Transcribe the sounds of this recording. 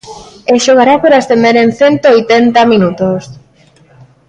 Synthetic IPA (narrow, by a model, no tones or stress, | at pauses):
eʃoɣaɾapoɾaest̪end̪eɾenθent̪oojt̪ent̪aminut̪os